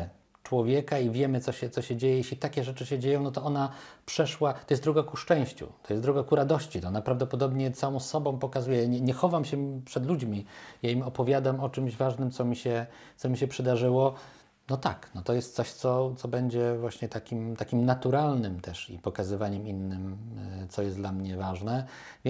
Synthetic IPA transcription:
t͡ʂwɔvʲjɛkaivʲjɛmɘt̪sɔɕɛt̪sɔɕɛd͡ʑejɛjeɕlʲit̪akʲɛʐɛt͡ʂɘɕɛd͡ʑejɔ̃w̃nɔt̪ɔɔnapʂɛʂwat̪ɔjɛst̪d̪ɾuɡakuʂt͡ʂɛ̃w̃ɕt͡ɕṵt̪ɔ̥jɛsdɾuɡakuɾad̪ɔɕt͡ɕit̪ɔɔnapɾavd̪ɔpɔd̪ɔbɲɛt̪sawɔ̃w̃sːɔbɔ̃w̃pɔkazujɛjaɲɛɲɛxɔvamɕɛpʂɛd̪lud͡ʑmʲijaimɔpɔvʲjad̪amɔt͡ʂɘmʑvaʐnɘmt̪sɔmʲiɕɛ | t̪sɔmʲiɕɛpʂɛd̪aʐɘwɔ | nɔt̪a̰knɔt̪ɔjɛst̪sɔɕt̪sɔt̪sɔbɛɲd͡ʑɛvwaɕɲɛt̪akʲimt̪akʲimnat̪uɾalnɘmt̪ɛʂḭpɔkazɘvaɲɛminːɘmt̪sɔjɛst̪d̪lamɲɛvaʐnɛ | vʲ

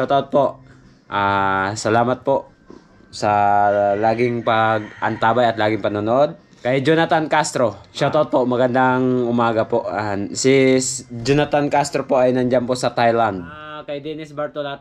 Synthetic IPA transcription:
ʃawt̪aot̪̚poʔ | ʔaːsɐlaːmɐt̪̚poʔ | sɐlaːɡɪŋpɐɡ̚ʔɐnt̪aːbajɐt̪laːɡɪŋpɐnonoʔod̪̚ | kɐjd͡ʒonat̪ankast̪ɾo̞ʃawt̪aʔot̪̚poʔmɐɡɐnd̪aŋʔʊmaːɡɐpoʔasɪd͡ʒonat̪ankast̪ɾopoʔɐjnɐnd͡ʒanpoʔsɐt̪ajland̪̚ | kɐjd̪ɛnɪsbɐɾt̪olat̪

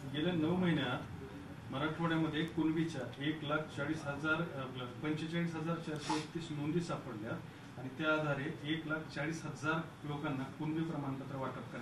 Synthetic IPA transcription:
ɡeljanəʋməɦinjat̪ | məɾaʈfoɽjaməd̪ʱːjekunʋit͡ɕjaeklakʰt͡ɕaɭiːsɦəd͡zaɾpəɲɕet͡ɕaɭiːsɦəd͡zaɾt͡ɕajsoekt̪ːiːsnond̪iːsapəɽljat̪ | aɽ̃it̪jaːd̪ʱaɾeeklakʰt͡ɕaɭiːsɦəd͡zaɾ | lokanːakunʋiːpɾəmaɳpət̪ɾəʋaʈəp̚kəɾa

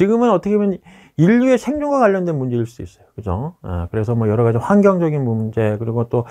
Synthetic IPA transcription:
t͡ɕiɡɯmɯnʌt͈ʰʌkʰejʌn | iʎːue̞sʰe̞ŋd͡ʑoŋɡwaɡaʎːʌndwe̞nmund͡ʑe̞ɯɭs͈uduis͈ʌjo̥kɯd͡ʑoḛkɯɾe̞sʰʌmwʌjʌɾʌɣad͡ʑinɸwanɡjʌŋd͡ʑʌɡinmumd͡ʑe̞kɯɾiɡot͈o

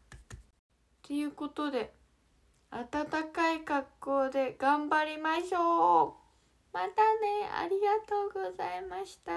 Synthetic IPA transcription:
t̪e̞jɯ̟ːko̞t̪o̞d̪e̞ | at̪at̪akaikakːo̞ːd̪e̞ɡ̥ãmbaɾʲimaɕoː | mat̪ane̞a̰ɾʲiɡat̪o̞ːɡo̞zaimaɕi̥t̪a

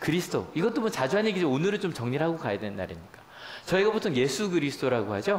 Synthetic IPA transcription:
kɯɾisʰɯ̥tʰo̰iɡʌt͈omʌt͡ɕad͡ʑuɦaɲeɡid͡ʑeonɯɾɯt͡ɕomt͡ɕʌŋɲiɾɦaɡokajadwe̞nnːa̰ɾimɲik͈ḁ | t͡ɕʌiɡapotʰʌŋje̞sʰuɡɯɾisʰɯ̥tʰoɾaɡoɦhad͡ʑo

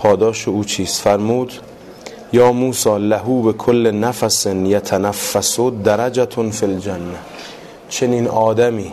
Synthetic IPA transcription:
pʰɒːd̪ɒːʃeuːt͡ʃʰiːsfæɾmuːd̪ | jɒːmuːsɒːlæɦuːbekʰolːenæfæsenjæt̪ʰænæfːæsod̪æɾæd͡ʒæt̪ʰonfild͡ʒænːæ | t͡ʃʰe̞niːnɒːd̪æmiː

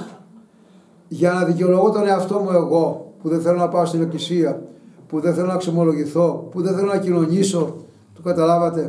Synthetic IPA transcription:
ʝɐnɐðiceolo̞ɣot̪o̞ne̞ɐft̪o̞mue̞ɣo̞puðenθe̞lo̞nɐpɐost̪ineklisiɐpuðe̞nθe̞lonɐksemo̞lo̞ʝiθo̞puðenθe̞lonɐcino̞ɲiso̞ | t̪ukɐt̪ɐlɐvɐt̪e̞

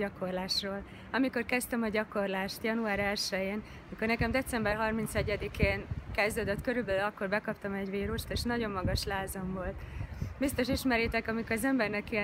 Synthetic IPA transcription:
ɒko̞rlaːʃroːl | ɒmiko̞rkɛst̪ɛmɒɟɒko̞rlaːʃt̪jɒnuaːɾɛlʃɛjeːn | ɒmiko̞rnɛkɛmd̪ɛt̪sɛmbɛrɦɒrmint̪sɛɟːɛd̪ikeːnkɛzd̪øːd̪øt̪køɾybɛlylɒkːo̞rbɛkɒpt̪ɒmɛɟʋiːɾuʃt̪eːʃnɒɟo̞mːɒɡɒʃlaːzɒmvo̞lt̪bist̪o̞ʃiʃmɛɾit̪ɛkɒmikoɾɒzɛmbɛrnɛki

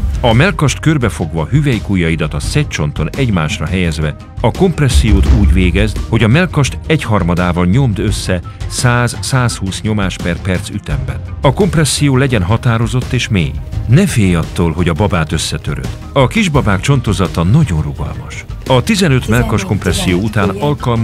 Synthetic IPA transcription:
ɒmɛlkɒʃt̪kørbɛfo̞ɡvɒɦyvɛjikujːɒjid̪ɒt̪ɒsɛc̚t͡ʃo̞nt̪o̞nɛɟmaːʃrɒɦɛjɛzʋɛ | ɒko̞mprɛsːijoːt̪uːɟveːɡɛzd̪ho̞ɟɒmɛlkɒʃt̪ɛchɒrmɒd̪aːvɒlɲo̞md̪øsːɛ | saːzsaːshuːsɲo̞maːʃpɛrpɛrt̪syt̪ɛmbɛ̰nɒko̞mprɛsːijoːlɛɟɛnɦɒt̪aːɾo̞zo̞t̪ːeːʃmḛːjnɛfeːjɒt̪ːoːlɦo̞ɟɒbɒbaːt̪ø̞sːɛt̪ø̰ɾø̰d̪̥ | ɒkiʒbɒbaːkt͡ʃo̞nt̪o̞zɒt̪ɒnɒɟo̞nruɡɒ̰lmɒʃɒt̪izɛnø̞t̪mɛlkɒʃko̞mprɛsːijoːut̪aːnɒlkɒlm

